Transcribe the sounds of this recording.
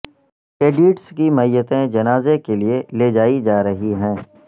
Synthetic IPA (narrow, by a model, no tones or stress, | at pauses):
keːɖiːʈskimɐjːət̪ẽd͡ʒɐnaːzekelieleːd͡ʒaːid͡ʒaːɾɐɦiɦɛ̃ː